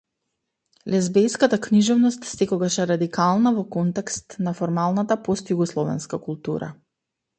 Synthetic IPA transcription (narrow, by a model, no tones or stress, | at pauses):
lɛzbɛjskat̪akniʒɔvnɔst̪sɛkɔɡaʃɛɾad̪ikalˠnavɔkɔnt̪ɛkst̪nafɔɾmalˠnat̪apɔst̪juɡɔslˠɔvɛ̰nskakulˠt̪uɾa̰